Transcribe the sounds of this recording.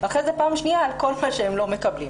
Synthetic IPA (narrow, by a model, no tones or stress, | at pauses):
baχezepaːmʃniaːlko̞lmaʃehemlo̞me̞kɐblḭm